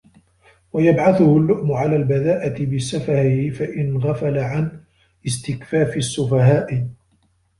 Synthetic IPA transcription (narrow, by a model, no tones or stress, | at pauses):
wajabʕaθʊhʊlːʊʔmʊʕalaːlbaðaːʔat̪ɪbɪsːafaɾɪhɪfaʔɪnɣafalaʕan | ɪst̪ɪkfaːfɪsːʊfaɦaːʔɪ